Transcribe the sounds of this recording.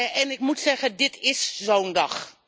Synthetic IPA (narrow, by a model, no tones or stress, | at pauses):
ɛnɪkmutsɛɣədɪtʰɪszowndɑχ